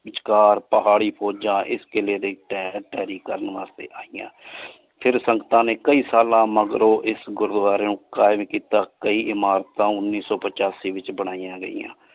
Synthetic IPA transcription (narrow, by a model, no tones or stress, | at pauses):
ɪt͡ʃkaːɾpəɦaːɽiːpʰoːd͡ʒãːʔɪskɪleːd̪eːʈɛːʈɛːɾiːkəɾənʋaːst̪ḛːʔaːijã̰ː | pʰɪɾsəŋɡət̪ãːneːkəiːsaːlãːməɡɾoːʔɪsɡʊɾd̪ʋaːɾeːnũːkaːɪmkiːt̪aːkəiːʔɪmaːɾt̪ãːʊnːiːsɔːpət͡ʃaːsiːʋɪt͡ʃbəɽ̃aːijãːɡə̰ḭːjã̰ː